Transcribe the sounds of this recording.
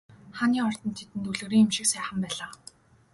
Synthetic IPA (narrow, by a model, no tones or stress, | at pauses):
χaniːɔr̥t̪ɞ̆nt̪ʰet̪ɘ̆nt̪uɮɘ̆ɾiːŋemʃɪ̆ksæːχə̆mpæːɮaː